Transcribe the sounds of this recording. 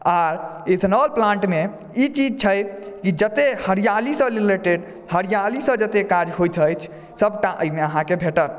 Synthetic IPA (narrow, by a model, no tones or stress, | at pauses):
aɾet̪ʰnɔlplãɳʈme | it͡ʃid͡ʒt͡ʃʰəj | kid͡ʒət̪ehəɾijalisə̃lileʈeɖ | həɾijalisə̃d͡ʒət̪ekad͡ʒɦojt̪ʰəjt͡ʃʰ | səb̚ʈaʔəjmeəɦãkebʱeʈət̪̚